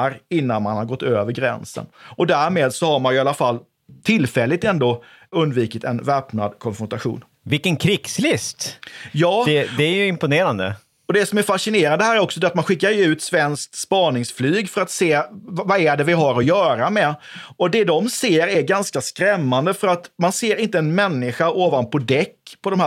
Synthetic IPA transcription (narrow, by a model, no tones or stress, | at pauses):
ɾɪnːanmanhaɾɡɔt̪ːøːvəɾɡɾɛ̰nsə̰nɔd̪æɾmeːd̪sɔhaɾmanjɵalafalː | t̪ʰɪlfɛlːɪt̪ɛnd̪oː | ɵnd̪viːkət̪ɛ̰nvɛːpna̰d̪kʰɔnfɾɔnt̪aɧṵːn | vɪlkənkʰɾɪkslɪst̪jɑːd̪ɛd̪ɛæjɵɪmpʊneːɾand̪ə̰ | ɔd̪ɛsɔmæɾfaʂɪneːɾand̪əɦæːɾæɾɔksɔd̪ɛat̪̚manɧɪkːaɾɛʉ̟ːt̪svɛnsk̚t̪spɑːnɪŋsflyːɡfœɾat̪seːvvaæɖɛvɪɦaɾɔjœːɾamɛɔd̪ɛd̪ɔmseːɾæɾɡanskaskɾɛmːand̪əfœɾat̪manseːɾɪnt̪əɛnmɛnːɪɧaoːvanpʰɔd̪ɛkːpʰɔd̪ɔmh